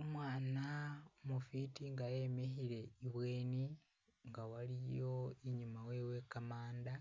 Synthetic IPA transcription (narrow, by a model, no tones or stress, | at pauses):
omwaːnaomufitiŋɡaje̞me̞çiɾe̞iβwe̞ːni | ŋɡawalijo̞iɲumawe̞ːwe̞kamaːnda